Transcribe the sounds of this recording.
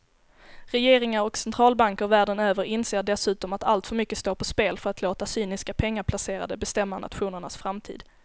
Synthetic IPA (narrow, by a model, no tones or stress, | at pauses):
ɾɛjeːɾɪŋaɾɔksɛnt̪ʰɾɑːlbaŋkəɾvæːɖənøːvəɾɪnseːɖɛsʉ̟ːt̪ɔmat̪alt̪fœɾmʏkːəst̪oːpʰɔspeːlfœɾat̪loːt̪asyːnɪskapʰɛŋːaɾpʰlaseːɾa̰d̪əbɛst̪ɛmːanʔa̰t̪ɧuːnəɳa̰sfɾamt̪ʰḭːd̪